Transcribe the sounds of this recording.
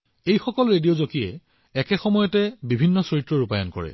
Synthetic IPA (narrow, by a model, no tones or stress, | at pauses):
ejxɔkɔlɹediozokiɛ | ɛkɛxɔmɔjɔtɛbibʱinːɔsɔitːɹɔɹupajɔnkɔ̰ɹɛ̰